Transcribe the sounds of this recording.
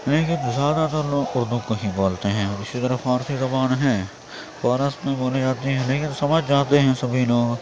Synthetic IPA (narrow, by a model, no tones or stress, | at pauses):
lekɪzjaːd̪at̪əɾloːɡʊɾd̪ukoɦĩboːlt̪eɦɛ̃ːɔːɾɪsit̪ɐɾəfaːɾsizɐbaːnɦɛ̃ː | faːɾəsmẽboːned͡ʒaːt̪iɦɛ̃leːkɪnsɐməd͡ʒd͡ʒaːt̪eɦɛ̃sɐbʱiloːɡ